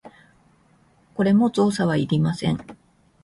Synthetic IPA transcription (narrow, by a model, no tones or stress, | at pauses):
ko̞ɾe̞mo̞t͡so̞ːsaβ̞aiɾʲimasẽ̞ŋ